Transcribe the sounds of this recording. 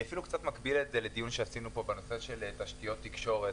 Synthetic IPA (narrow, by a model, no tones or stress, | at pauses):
afilukt͡sat̪makbiletzeled̪ijunʃeasinupo̞beno̞seʃe̞lt̪aʃt̪ijo̞t̪ːikʃo̞ʁet